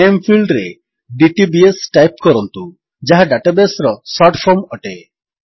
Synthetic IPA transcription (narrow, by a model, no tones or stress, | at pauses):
empʰilɖɾe | ɖiʈibiesʈajp̚kɔɾɔnt̪u | d͡ʒaɦaɖaʈabesɾɔsɔɾʈpʰɔmɔʈe